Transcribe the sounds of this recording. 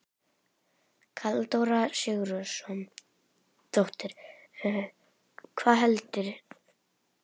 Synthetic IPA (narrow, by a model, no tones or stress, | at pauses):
kʰalt̪owɾasʏɣɾʏsɔm | t̪oht̪ɪɾ̥ | kʰvaːɦɛlt̪ʏɾ